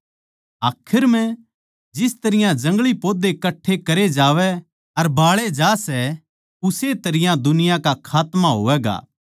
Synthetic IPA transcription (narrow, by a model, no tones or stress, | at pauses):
aːkʰɪɾmɛ̃ | d͡ʒɪst̪ɐɾɪjãd͡ʒɐ̃ŋɡɭipoːd̪ekɐʈʰːekɐɾed͡ʒaːʋɛ | ɐɾbaːɭed͡ʒaːsɛ | ʊset̪ɐɾɪjãd̪ʊnɪjãkakʰaːt̪maɦo̰ːʋɛːɡa̰ː